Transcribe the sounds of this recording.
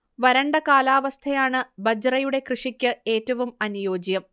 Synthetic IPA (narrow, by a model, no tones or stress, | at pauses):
ʋɐɾɐɳɖɐkaːlaːʋɐst̪ʰɐjaːɳɨbɐd͡ʑɐrɐjuɽe̞krɨʂikʲːɨe̞ːtːɐʋumɐnujo̞ːd͡ʑjɐm